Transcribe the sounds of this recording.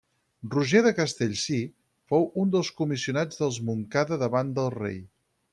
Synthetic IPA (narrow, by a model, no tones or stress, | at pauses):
ruʒeðəkəst̪eʎʲsi | fowund̪əlˠskumisiunad͡zðəlˠzmuŋkaðəðəβand̪əlˠrḛj